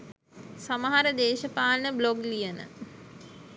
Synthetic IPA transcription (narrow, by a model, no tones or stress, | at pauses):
saməɦaɾəd̪eːʃəpaːnəbloɡlijənə̰